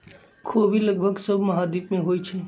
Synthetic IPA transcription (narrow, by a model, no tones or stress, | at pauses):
kʰobʱiləɡ̚bʱəɡsəbʱməɦad̪ipmẽɦojt͡ʃʰe